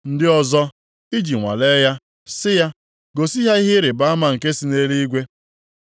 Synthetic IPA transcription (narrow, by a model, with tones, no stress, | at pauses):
n̩˦dɪ˦ɔ˦zɔ˦ | i˦d͡ʒi˨ŋʷa̰˨le˦ja˦ | sɪ˦ja˦ | ɡo˨si˦ɦa˦i˦ɦɪ˦ɾɪ˨ba˦a˦ma˨ŋ̩˨ke˦si˨˦ne˦ɾi˦i˦ɡʷe˦